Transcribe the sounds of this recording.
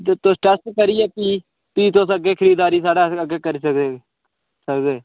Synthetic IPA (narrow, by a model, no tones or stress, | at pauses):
t̪osʈɛskəɾiːɛːpiː | piːt̪oːs̬əɡeːkʰəɾiːd̪aːɾiːsaːɽaːəɡeːkəɾiːsəkd̪eː | səkd̪eː